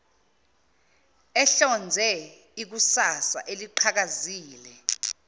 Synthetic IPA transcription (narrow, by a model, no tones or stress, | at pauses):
ɛɬɔnd͡zʱɛ | ik̬usasa̰ʔeliǃʰak̬aziːlɛ